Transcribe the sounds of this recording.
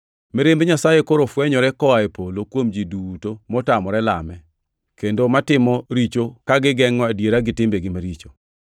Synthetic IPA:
meɾembeɲasajekoɾofwɛɲɔɾɛkɔaepolokwomd͡ʒiduutomɔtamɔɾɛla̰mɛ | kendomatɪmɔɾit͡ʃokaɡɪɡɛŋːɔadjeɾaɡɪtɪmbeɡɪmaɾit͡ʃo

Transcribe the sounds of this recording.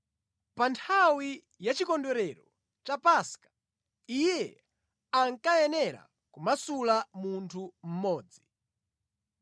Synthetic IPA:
pantʰawi | jat͡ʃikɔndɔɾɛɾɔ | t͡ʃapaskḁ | ijɛ | aŋkajɛnɛɾa̰ | kumasulamuntʰum̩mɔːd͡zi

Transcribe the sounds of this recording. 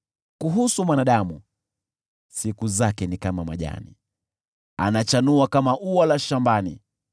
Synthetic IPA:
kuɦusumwanaɗamu | sikuzakɛnikamama̰ʄa̰nḭ | a̰nat͡ʃanuakamaʔuwalaʃambanḭ

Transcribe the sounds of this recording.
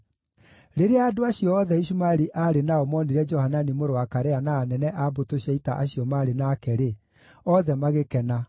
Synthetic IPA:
ɾeɾeaːdoaɕijɔɔðɛiɕumaɾiʔaɾenaɔmɔneɾɛd͡ʒɔhananimoɾowakaɾɛanaːnɛnɛʔabotoɕiaitaʔaɕiɔmaːɾenaːkɛɾe | ɔðɛmaɣekɛna

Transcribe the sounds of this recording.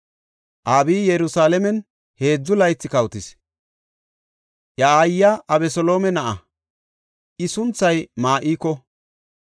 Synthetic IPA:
ʔaːbiːjɛɾʊsaːlɛmɛn | he̞ːd͡zːʊlɐjt͡sːɪkɐwt̪ɪs | jɐaːjːɐʔɐbɛsɔlo̞ːmɛnɐʔɐ | ʔɪsʊnt͡sːɐjmaːʔiːkːɔ

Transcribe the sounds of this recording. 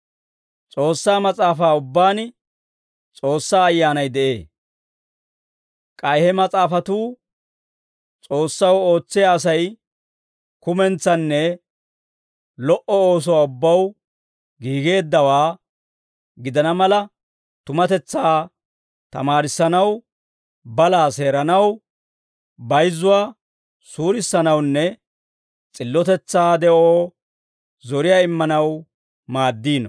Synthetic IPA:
t͡sʼo̞ːsːaːmɐt͡sʼaːfaːʊbːaːn | t͡sʼo̞ːsːaːɐjːaːnɐjd̪ɛʔe̞̰ː | kʼɐjhɛmɐt͡sʼaːfɐt̪uː | t͡sʼo̞ːsːɐwo̞ːt͡sːɪjaːs̬ɐj | kʊmɛnt͡sːɐnːɛ | lɔʔɔoːs̬ɔwaːʊbːɐw | ɡiːɡe̞ːd̪ːɐwaː | ɡɪd̪ɐnɐmɐlɐ | t̪ʊmɐt̪ɛt͡sːaː | t̪ɐ̰maːɾɪsːɐnɐw | bɐlaːse̞ːɾɐnɐw | bɐjzːʊwaː | suːɾɪsːɐnɐwnːɛ | t͡sʼɪlːɔt̪ɛt͡sːaːd̪ɛʔoː | zɔɾɪjaːɪmːɐnɐw | maːd̪ːiːnɔ

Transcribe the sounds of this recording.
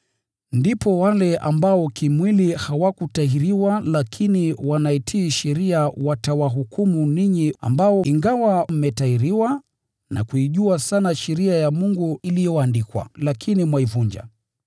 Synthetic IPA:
ndipɔwalɛʔambaɔkimwilihawakutaiɾiwalakʰiniwanaitʰiːʃɛɾiawatawaɦukumuniɲia̰mbaɔiŋɡawam̩mɛtaiɾiwa | na̰kuiʄuasanaʃɛɾiajamuŋɡuilijɔandikwa̰lakʰinimwaivuɲd͡ʒa̰

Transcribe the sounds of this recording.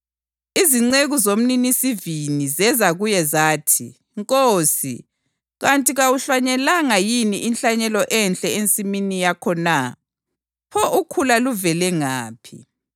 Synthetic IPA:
iziŋ͡ǀeɣuzom̩ninisivinizɛzaɣujɛzaːtʰḭ | ŋkʼoːsḭ | ɣantʼiɣawuɬwaɲɛlaŋajiniʔinɬaɲɛlɔʔɛnt͡ɬʼɛent͡sʼiminijakʰɔna | pʰɔʔukʰulaluvɛlɛŋaːpʰḭ

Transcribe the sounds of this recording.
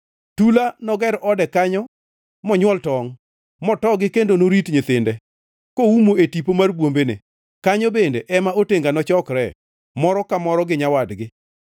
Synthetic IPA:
tulanɔɡɛɾɔdɛkaɲɔ | mɔɲwɔltɔŋ | mɔtɔɡɪkendonoɾitɲɪt̪ɪndɛ | koumoetipomarbwombenḛ | kaɲɔbendeʔɛmaoteŋɡanɔt͡ʃɔkɾɛ | mɔɾɔkamɔɾɔɡɪɲawadɡɪ

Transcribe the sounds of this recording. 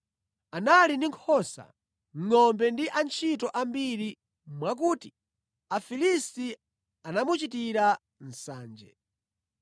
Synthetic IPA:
analindiŋkʰɔsa̰ | ŋ̩ŋɔmbɛndiʔant͡ʃʰitɔʔambiɾi | mwak̬uːti | afilisti | anamut͡ʃitiɾa | n̩saːnd͡ʒɛ̰

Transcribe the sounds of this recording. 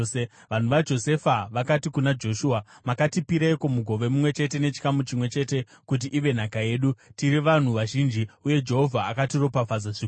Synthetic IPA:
ʋan̤uʋad͡ʒo̞se̞faʋakatikunad͡ʒo̞ʃuːamakatipiɾeikomuɡʱo̞ʋe̞mumwe̞t͡ʃe̞te̞ne̞t͡ʃi̥kamut͡ʃimwe̞t͡ʃe̞te̞ | kut̬iʔiʋe̞n̤akaje̞ːɗutiɾiʋan̤uʋaʒind͡ʒiuje̞d͡ʒe̞ɦo̞vʱaːkatiro̞pafad͡zaʐik

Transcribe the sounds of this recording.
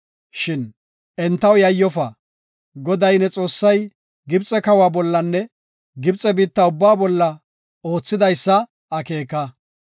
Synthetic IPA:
ʃɪn | ɛnt̪ːɐwjɐjːɔfɐ | ɡɔd̪ɐjnɛt͡sʼo̞ːsːɐj | ɡɪbt͡sʼɛkɐwaːbɔlːɐnːɛ | ɡɪbt͡sʼɛbiːt̪ːɐʊbːaːbɔlːɐ | o̞ːt͡sːɪd̪ɐjsːɐ | ɐke̞ːkɐ

